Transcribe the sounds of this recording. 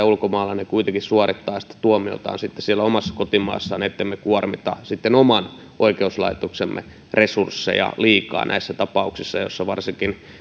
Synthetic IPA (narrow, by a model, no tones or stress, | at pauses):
æulkomɑːlːɑnekuit̪eŋkissuɑrit̪ːɑːjɑsi̥t̪ːæ̥t̪uomio̰t̪ɑ̰ːnsit̪ːessielːæomɑsːɑ̥kot̪imɑ̰ːsːɑnet̪ːemmekuormit̪ɑ̰sit̪ːenomɑn | ʔoikeuslɑ̰it̪oksemːḛ | resursːḛjɑ̰liːkɑ̰ːnʔæ̰isːæt̪ɑpɑuksisːɑjo̰sːɑʋɑrsiŋkin